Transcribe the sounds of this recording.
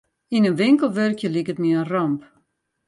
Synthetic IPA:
inənʋɪŋkəlˠʋørkjəlikətmiərɔmp

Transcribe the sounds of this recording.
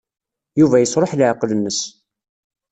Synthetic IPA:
juvæjəsɾˤoħlʕqlənːəs

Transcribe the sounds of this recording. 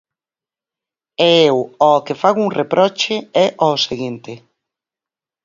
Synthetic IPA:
ɛewɔkefaɣʊuŋrepɾʔɔt͡ʃeɛʔɔseɣint̪ɪ

